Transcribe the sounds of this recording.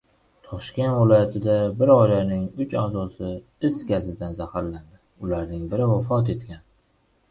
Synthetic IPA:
t̪ʰɒʃkʲe̞nt̪vɪlˠɒjat̪ʰɪd̪abɪɾɒjɾanɪŋʊt͡ʃazɒsɪ | ɪsɡʲazɪd̪anzahaɾland̪ɪ | ʊlaɾnɪŋbɪɾɪvafɒt̪e̞t̪kʲan

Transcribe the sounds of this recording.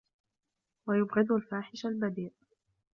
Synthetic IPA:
wajʊbɣɪd̪alfaːħɪʃalbad̪iːʔ

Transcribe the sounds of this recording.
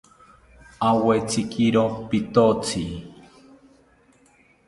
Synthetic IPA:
awet͡sikʼiɾopit̪ot͡si

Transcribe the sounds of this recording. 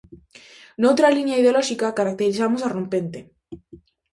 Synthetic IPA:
nowt̪ɾalinjaiðeolɔʃikakaɾak̚t̪eɾiθamosarõmpent̪e

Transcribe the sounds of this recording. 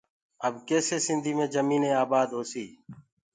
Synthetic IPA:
əbkeːseːsɪnd̪ʱiːmẽːd͡ʒəmĩːnẽːaːbaːd̪ɦoːsiː

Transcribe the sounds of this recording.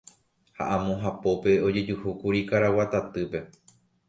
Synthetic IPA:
ha̰ʔãmõɦapo̞pe̞o̞d͡ʒe̞d͡ʒuhukuɾikaɾawat̪at̪ɨpe̞

